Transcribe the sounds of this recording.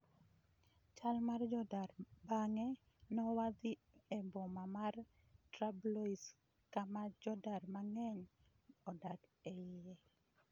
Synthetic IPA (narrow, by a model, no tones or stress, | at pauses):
t͡ʃalmard͡ʒɔdarbaŋɛ | nɔwad̪ɪ | ɛmbɔmamar | tɾablois | kamad͡ʒɔdarmaŋɛɲ | ɔdakɛɪɛ